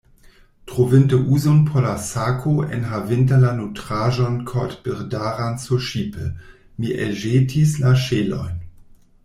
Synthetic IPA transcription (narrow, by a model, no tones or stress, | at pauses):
tʁ̥ovɪntəʔuːzonpʰɔlasaːkʰoʔɛ̰nɦavɪntɐlanutʁ̥aːʒɔnkʰɔtb̥əʁdaːʁant͡suʃiːpʰə | miʔɛ̰lʒeːtʰislaʃeːlɔ̰ʏn